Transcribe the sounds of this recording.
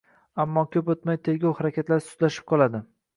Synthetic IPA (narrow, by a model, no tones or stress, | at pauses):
amːɒkʲʰɵpot̪majt̪ʰe̞ɾɡʲawhaɾakʲat̪laɾsʊ̥t̪laʃɪ̥p̚qʰɒlˠad̪ɪ